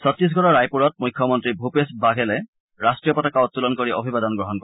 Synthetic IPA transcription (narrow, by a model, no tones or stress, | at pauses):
sɔt̪ɹis̬ɡʱɔɹɔɹajpuɹɔt̪̚mujkʰːjɔmɔntɹibʱupesbaɡʱelɛ | ɹastɹijɔpɔtakaot̪ːulɔnkoɹiʔɔbʱibad̪ɔnɡɹɔɦɔnkɔ